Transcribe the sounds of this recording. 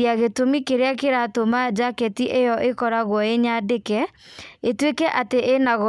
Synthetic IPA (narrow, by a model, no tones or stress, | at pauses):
iaɣetomikeɾeakeɾatomad͡ʒakɛtiʔejɔʔekɔɾaɣwɔeɲadekɛ | etwekɛʔateʔenaɣɔ